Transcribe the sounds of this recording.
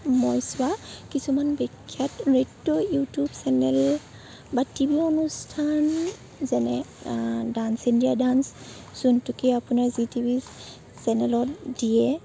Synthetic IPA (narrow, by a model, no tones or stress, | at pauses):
mɔjsʊwakisumanbɛkʰːjatɹetːɔjutubsɛnɛl | batibiɔnustʰan | zɛnɛ | dansindijadans | z̥untukiapʊnaɹzitibi | sɛnɛlɔtdiɛ